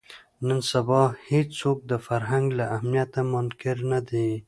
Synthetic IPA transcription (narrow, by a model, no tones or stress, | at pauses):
nənsabɑhet͡ʃsok̚d̪əfaɾɦaŋɡlaʔːhmijat̪amʊnkɪɾnad̪e